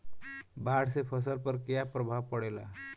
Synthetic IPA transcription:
baɽsepʰəs̬əlpəɾkejapɾəbʱabpəɽela̰

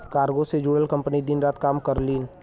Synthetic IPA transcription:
kaːɾɡosed͡ʒuːɽəlkɐ̃mpnid̪ɪnɾaːt̪kaːmkəɾliːn

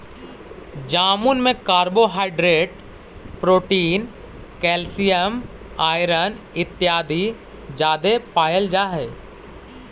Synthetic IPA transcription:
d͡ʒaːmunmẽkaːɾboɦaːɪɖɾeːʈ | pɾoːʈiːn | kɛːlsijəm | aːɪɾən | ɪt̪ːjaːd̪ʱi | d͡ʒaːd̪epaːjəld͡ʒaːɦɛː

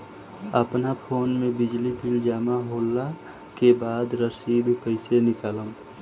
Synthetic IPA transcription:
əpnapʰoːnmẽbɪd͡ʒlipʰɪld͡ʒaːmaɦoːlːa | kebaːd̪ɾəsiːd̪pəɪsenɪkaːləm

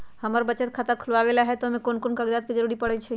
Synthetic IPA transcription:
həməɾbəːt͡ʃət̪̚kʰat̪əkʰulʋabelaɦɛt̪ɔɦmekonkonkaɡd̪at̪̚ked͡ʒəɾuɾipəɽɛt͡ʃʰɛ

